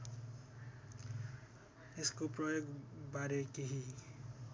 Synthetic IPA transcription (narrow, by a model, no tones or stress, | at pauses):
eskoprʌjoɡbaɾekeɦi